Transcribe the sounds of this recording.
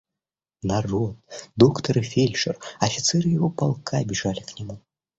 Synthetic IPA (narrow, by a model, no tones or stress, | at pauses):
narɔt̪̚d̪ɔkt̪ɐɾɨfʲelʲʂɛrɐfʲit̪sɛɾɨjaɣɔpalˠkʰabʲɛʐalʲiknʲamu